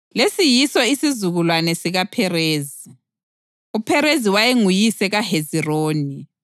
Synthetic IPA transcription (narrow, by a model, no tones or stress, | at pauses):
lesijisɔisizuɣulwanɛsiɣapʰɛreːzi | upʰɛɾeziwajeŋujisɛɣaheziroːni